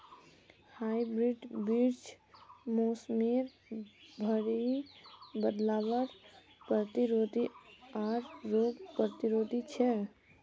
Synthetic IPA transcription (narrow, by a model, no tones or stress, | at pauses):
haibɾiɖbiɾt͡ʃ | moːsmiɾ | bʱəɽi | bəd̪laːʋəɾ | pɾət̪iɾod̪ʱiaːɾɾoːɡpɾət̪iɾoːd̪ʱit͡ʃʰɛ